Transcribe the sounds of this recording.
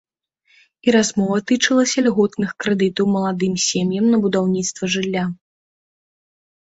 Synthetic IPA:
iɾazmɔvɐt̪ɨt͡ʂɨlˠɐsʲɐlʲɣɔt̪nɨxkɾɛd̪ɨt̪ɐwmɐlˠad̪ɨmsʲemʲjɐmnɐbud̪awnʲit̪st̪vɐʐɨlʲːa

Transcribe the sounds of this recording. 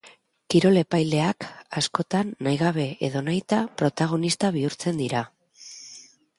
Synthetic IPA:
kiɾo̞le̞pajle̞akasko̞t̪anːajɣaβ̞e̞eðo̞najt̪apɾo̞t̪aɣ̞o̞nist̪aβ̞iuɾt͡se̞nd̪iɾa

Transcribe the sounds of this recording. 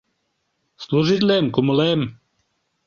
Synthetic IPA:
sluʒɪd̪lɛmkumulɛm

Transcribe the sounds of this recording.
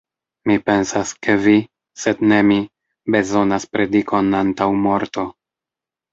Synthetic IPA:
mipe̞nsaske̞vi | se̞dne̞mi | be̞zo̞naspɾe̞diko̞nantawmo̞ɾto̞

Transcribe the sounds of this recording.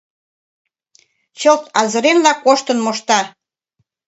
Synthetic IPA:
t͡ɕɤlt̪ɑzə̆ɾenlɑkoʃt̪ənmoʃt̪ɑ

